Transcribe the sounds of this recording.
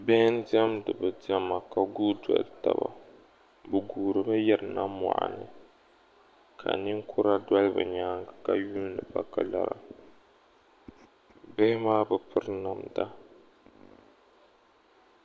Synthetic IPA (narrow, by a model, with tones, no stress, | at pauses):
bɛ˦n˦dɛ˦mdɨ˨bɨ˨di˦ɛ˦ma˨ka˨ɡuː˦da̰˨lta̰˨ba̰˨ | bɨ˨ɡuː˨ɾɨ˨bɨ˦jɛ˦ɾɨ˨na˦ma̰˨ʔa̰˨nɨ˨ | kʰa̰˨ni˦ŋ˦kʰʊ˦ɾa˦dwa˦lbɨ̰˨ɲaː˦ŋɡa˨ka˨juː˦n˦dɨ˨ba˦ka˨la̰˨ɾa̰˨ | bɛ˦maː˦bɨ˨pɨ˦ɾna˨mda˦